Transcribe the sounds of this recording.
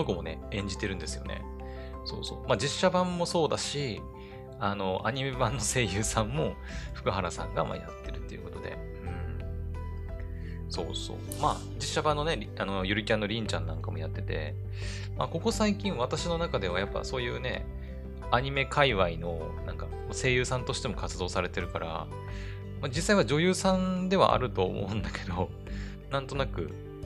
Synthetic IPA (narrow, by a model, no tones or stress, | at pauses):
d̪okomo̞ne̞ẽ̞ɲ̟d͡ʑit̪eɾɯ̟̃nd̪e̞sɨjo̞̰ne̞̰ | so̞ːso̞̰ːmaːd͡ʑiɕːabãmːo̞so̞ːd̪aɕi | ano̞ʔaɲ̟ime̞bãnːo̞se̞ːjɯ̟ːsãmːo̞ | ɸɯ̟kɯ̟ɦaɾasã̰ŋɡa̰ma̰ja̰t̪ːe̞ɾɯ̟t̪ːe̞jɯ̟ko̞t̪o̞d̪e̞̰ | ɯ̟̃ɴ | so̞̰ːso̞̰ː | ma̰ː | d͡ʑiɕːabãnːo̞ne̞ɾʲ | ano̞jɯɾɯ̟kʲãnːo̞ɾʲĩɲ̟t͡ɕãnːãŋkamo̞jat̪ːe̞t̪e̞̰ | ma̰ko̞ko̞saikʲĩɰ̃βat̪aɕino̞nakad̪e̞β̞ajapːa̰so̞ːjɯ̟ːne̞̰ | aɲ̟ime̞kʰaiβaino̞ | nãŋka | mase̞ːjɯ̟ːsãnt̪o̞ɕi̥t̪e̞mo̞kʰat͡sɨd̪o̞ːsaɾe̞t̪e̞ɾɯ̟kaɾa̰ | mad͡ʑisːaiβad͡ʑo̞jɯ̟ːsãnd̪e̞βa̰ʔa̰ɾɯ̟t̪o̞ːmo̰ɯ̟̃nd̪ake̞̥d̪o | nãnt̪o̞nakɯ̟̰